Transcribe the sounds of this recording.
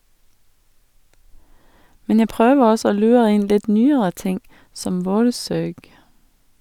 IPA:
ˈmɛn ˈjæ ˈpʁøːʋəʁ ˈɔsɔ ˈoː ˈlʉːʁə ˈɪn ˈlɪt ˈnyːəɾə ˈtɪŋ ˈsɔm ˈʋoːɾˌsøːɡ

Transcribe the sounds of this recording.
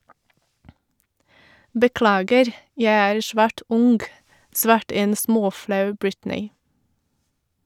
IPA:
bəˈklɑːɡəɾ ˈjæɪ ˈæːɾ ˈʃʋæːʈ ˈʊŋɡ ˈsʋɑːʈə ˈeːn ˈsmoːˌflɑʉ ˈbɹɪtnɪ

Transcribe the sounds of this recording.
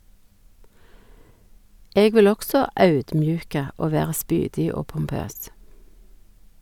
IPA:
ˈeːɡ ˈʋɪl ˈɔksɔ ˈɑʉdmˌjʉːkə ˈoː ˈʋeːʁə ˈspyːdɪ ˈoː pʊmˈpøːs

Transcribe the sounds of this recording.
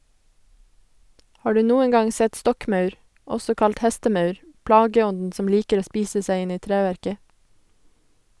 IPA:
ˈhɑː ˈɖʉː ˈnuːəŋ ˈɡɑŋ ˈsɛt ˈstɔkˌmœʉɾ ˈɔsɔ ˈkɑlt ˈhɛstəˌmœʉɾ ˈplɑːɡəˌɔndn̩ ˈsɔm ˈliːkəɾ ˈoː ˈspiːsə ˈsæɪ ˈɪn ˈiː ˈtɾæːʋæɾkə

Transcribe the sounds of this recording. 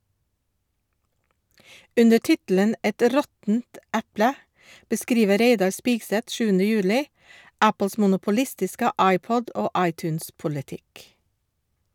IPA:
ˈʉndə ˈʈɪtl̩ən ˈɛt ˈɾɔtn̩t ˈæplə bəˈskɾiːʋə ˈɾeɪdɑɾ ˈspiːɡsɛt ˈʃʉːənə ˈjʉːlɪ ˈæpl̩s mʊnʊpʊˈlɪstɪskə ˈɑɪˌpɔd ˈoː ˈɑɪˌtʉːnspʊlɪˌtɪk

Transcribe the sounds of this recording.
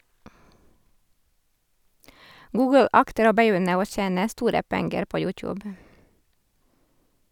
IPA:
ˈɡuːɡəl ˈɑktəɾ ˈoː bəˈjʏnə ˈoː ˈçeːnə ˈstuːɾə ˈpɛŋɡəɾ ˈpoː ˈjʉːˌtjʉːb

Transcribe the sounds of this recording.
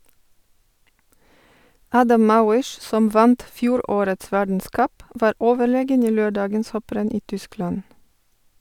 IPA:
ˈɑːdɑm ˈmɑːwɪʃ ˈsɔm ˈʋɑnt ˈfjuːˌɾoːɾəts ˈʋæɖɳ̩ˌskʌp ˈʋɑːɾ ˈʔoːʋəˌɭeːɡən ˈiː ˈløːˌɖɑːɡəns ˈhɔpɾɛn ˈiː ˈtʏˌsklɑn

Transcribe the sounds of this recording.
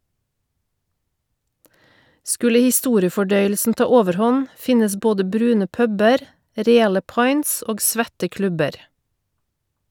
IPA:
ˈskʉlə hɪˈstuːɾɪəfɔˌɖœʏəlsn̩ ˈtɑː ˈoːʋəɾˌhɔn ˈfɪnəs ˈboːdə ˈbɾʉːnə ˈpœbəɾ ˈɾeːɑlə ˈpɑɪns ˈoːɡ ˈsʋɛtə ˈklʉbəɾ

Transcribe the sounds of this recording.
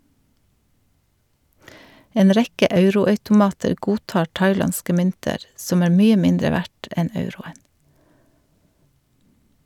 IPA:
ˈeːn ˈɾɛkə ˈʔɑʉɾʊɑʉtʊˌmɑːtəɾ ˈɡuːˌtɑːɾ ˈtɑɪˌlɑnskə ˈmʏntəɾ ˈsɔm ˈæːɾ ˈmyːə ˈmɪndɾə ˈʋæʈ ˈɛn ˈɑʉɾʊən

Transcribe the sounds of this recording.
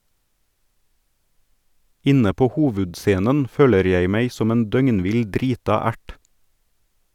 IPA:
ˈɪnə ˈpoː ˈhoːʋʉdˌseːnən ˈføːləɾ ˈjæɪ ˈmæɪ ˈsɔm ˈeːn ˈdœŋnˌʋɪl ˈdɾiːtɑ ˈæʈ

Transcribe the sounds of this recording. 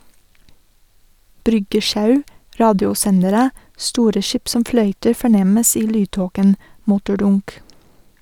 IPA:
ˈbɾʏɡəˌʃɑʉ ˈɾɑːdjʊˌsɛnəɾə ˈstuːɾə ˈʃiːp ˈsɔm ˈflœʏtəɾ fɔˈɳɛməs ˈiː ˈlyːˌtoːkən ˈmʊtʊˌɖʊnk

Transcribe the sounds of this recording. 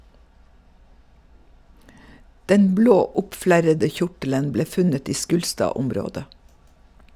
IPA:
ˈdɛn ˈbloː ˈʊpˌflæɾədə ˈçʊʈələn ˈbleː ˈfʉnət ˈiː ˈʃkʉːlstɑːˌʊmɾoːdə

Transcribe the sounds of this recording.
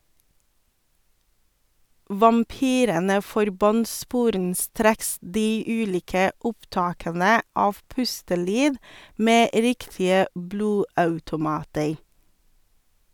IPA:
ʋɑmˈpyːɾənə fɔɾˈbɑnt ˈspuːɾənˌstɾeːks ˈdiː ˈʉːˌliːkə ˈʊpˌtɑːkənə ˈɑːʋ ˈpʉstəˌlyːd ˈmeː ˈɾɪktɪə ˈbluːˌɑʉtʊˌmɑːtəɾ

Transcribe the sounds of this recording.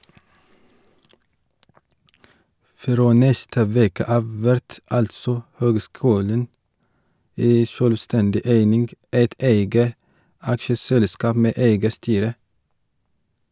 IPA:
ˈfɾoː ˈnɛstə ˈʋeːkə ˈɑːʋ ˈʋæɾt ˈɑltsɔ ˈhøːɡˌskʉːlən ˈæɪ ˈʃøːlˌstɛndɪ ˈæɪnɪnɡ ˈæɪt ˈæɪɡə ˈɑkʃəsɛlˌskɑːp ˈmeː ˈæɪɡə ˈstyːɾə

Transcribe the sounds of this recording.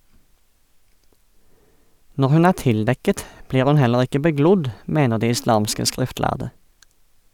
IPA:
ˈnɔʁ ˈhʉn ˈæː ˈtɪlˌdɛkət ˈbliːʁ ˈhʉn ˈhɛləʁ ˈɪkə bəˈɡlʊd ˈmeːnə ˈdiː ɪˈslɑːmskə ˈskʁɪftˌlæʁdə

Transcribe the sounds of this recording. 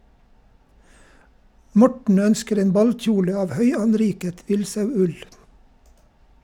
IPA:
ˈmɔʈɳ̩ ˈœnskəɾ ˈeːn ˈbɑlˌc͡çuːlə ˈɑːʋ ˈhœʏɑnˌɾiːkət ˈʋɪlsɑʉˌʉl

